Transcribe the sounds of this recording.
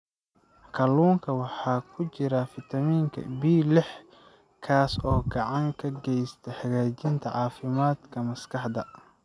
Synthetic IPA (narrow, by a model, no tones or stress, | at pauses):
kʰɐluːŋkʰɐwɑħɑːkʰʊt͡ʃɪɾɐfɪt̪ʰɐmiːŋkʰɐ̰biːlɛħ | kʰaːsɔːɡɑʕɑŋkʰɐɡɛjst̪ʰɛħɑɣaːt͡ʃɪnt̪ʰɐʕɑːfɪmaːd̪kʰɐmɐskʰɑħd̪ɐ